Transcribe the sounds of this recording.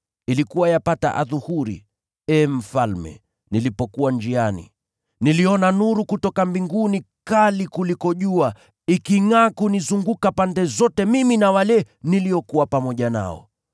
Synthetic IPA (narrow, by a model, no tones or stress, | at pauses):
ilikuwajapata̰ʔa̰ðuhuɾḭ | ɛːm̩falmɛ̰ | nilipɔkuwand͡ʒianḭ | niliɔnanuɾukutɔkambiŋɡuni | kalikulikɔʄua | ikiŋaːkunizuŋɡukapandɛzɔtɛmiminawalɛ | niliɔkuwapamɔʄana̰ɔ̰